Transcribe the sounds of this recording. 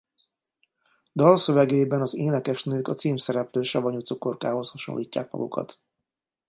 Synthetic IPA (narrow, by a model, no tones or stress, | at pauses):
d̪ɒlsøvɛɡeːbɛnɒzeːnɛkɛʃnøːkɒt̪siːmsɛɾɛpløːʃɒvɒɲut̪sokorkaːɦo̞shɒʃo̰nlʔiːcːa̰ːkmɒ̰ɡṵkɒ̰t̪